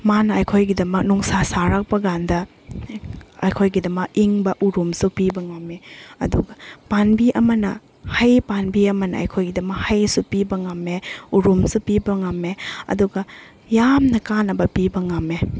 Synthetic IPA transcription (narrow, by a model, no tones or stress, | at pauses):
manɐɐjkʰojɡidɐmɐk̚nuŋsasaɾak̚pɐɡandɐ | ɐ̰jkʰojɡidɐmɐk̚iŋbɐʔuɾumsupibɐŋameɐ̰duɡɐpanbiʔɐmɐnɐ̰ | hajpanbiɐmɐnɐɐ̰jkʰojɡidɐmɐk̚hajsupibɐŋamːeuɾumsupibɐŋameɐ̰duɡɐ | jamnɐkanɐbɐpibɐŋame